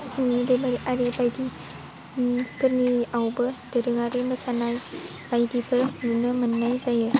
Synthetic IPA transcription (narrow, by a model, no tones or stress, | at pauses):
huŋnidɯbaɾiʔaɾebajdi | pʰɯɾniawbɯdɯɾɯŋaɾeməsanaj | b̥ajdipʰɯunɯmɯnːajzajɯ